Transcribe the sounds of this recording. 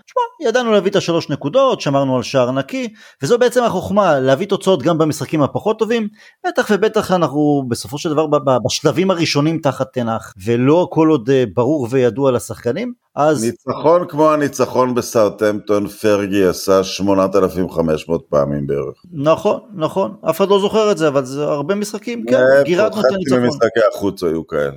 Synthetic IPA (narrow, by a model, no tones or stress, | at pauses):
ʃmajad̪anuleavit̪aʃalo̞ʃnekudo̞t̪ʃeamaʁnualʃaaʁnaki | vezobeet͡se̞maχo̞χmaleavit̪o̞t͡sao̞t̪ɡambamisχakimhapaχo̞t̪ːo̞vim | b̥et̪aχve̞be̞t̪aχanaχubeso̞fo̞ʃeld̪avaʁbbabaʃlavimaʁiʃo̞nimt̪aχat̪ːenaχvelo̞ako̞lo̞d̪ebaʁuʁve̞jadualasaχkanim | ʔaznit͡saχo̞nkmo̞anit͡saχo̞nbesaʁt̪emt̪onfeʁɡiasaʃmonat̪alafimχameʃmo̞ːt̪̚paa̰mimbeḛʁeχnaχo̞nːaχo̞nafe̥χad̪lo̞zo̞χeʁetzeavalzeaʁbe̞misχakimkeɡiʁat̪nutaniiemisnχakeaχut͡sajukaḛle